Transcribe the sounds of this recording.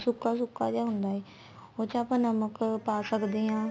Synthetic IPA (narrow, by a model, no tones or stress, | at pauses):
sʊkas̬ʊkad͡ʑaːɦʊ̃ːn̆d̪aːɦeː | oːt͡ɕʰaːpə̃nɐməkpaːsɐkʰd̪iɦãː